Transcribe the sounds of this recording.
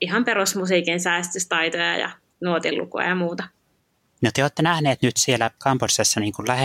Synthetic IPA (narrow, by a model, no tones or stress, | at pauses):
ihɑmperusmusiːkinsæːst̪yst̪ɑit̪ojɑ̰jɑ̰ | nuot̪ḭlːṵko̰ɑ̰jɑmuːt̪ɑ | not̪eoːt̪ːenæhneːt̪nyt̪sielːækɑmporsesːɑniːŋkullæhe